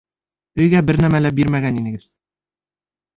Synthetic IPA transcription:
ɵ̆jɡæbɘɾnæmælæbiɾmæɡæninɘ̆ɡɘð

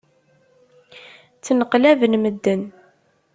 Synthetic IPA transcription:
t͡sːnəqlævənməd̪ːən

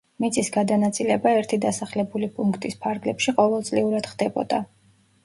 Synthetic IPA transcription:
mit̪sʼisɡad̪anat̪sʼilɛbaɛɾt̪ʰid̪asaχlɛbulipʼuŋkʰt̪ʼispʰaɾɡlɛpʃiqʼɔvɛlˠt̪sʼliuɾad̪̥χd̪ɛbɔ̰d̪̥a

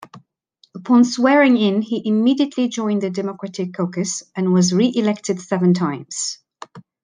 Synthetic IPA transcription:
əpʰɒ̃nswɛːɹɪ̃ŋɪ̃niʔɪmiːdiəʔʰlid͡ʒɔ̃ɪ̃nðɨdɛməkɹ̥atɪkʰːoʊkɨsə̃nwɒzɹiʔɪlɛk̚tɨd̥sɛvə̃ntʰãɪ̃mz̥

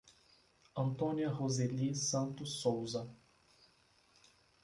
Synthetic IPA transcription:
ɐ̃nt̪õniɐʁozelisɐ̃nt̪ʊsowzɐ

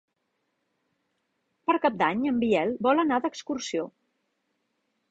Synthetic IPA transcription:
pəɾkap̚d̪aɲəmbiɛlˠbɔlənaðəkskursio

